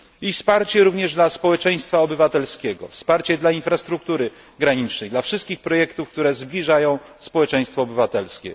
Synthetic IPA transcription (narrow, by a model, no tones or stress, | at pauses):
ifspaɾt͡ɕɛɾuvɲɛʐd̪laspɔwɛt͡ʂɛ̃j̃st̪faɔbɘvat̪ɛlskʲɛɡɔ̰fspaɾt͡ɕɛd̪lainfɾast̪ɾuk̚t̪uɾɘ | ɡɾaɲit͡ʂnɛjd̪lafʂɨst̪̚kʲixpɾɔjɛkt̪ufk̚t̪uɾɛzblʲiʐajɔ̃w̃ | spɔwɛt͡ʂɛ̃j̃st̪fɔːbɘvat̪ɛlskʲɛ̰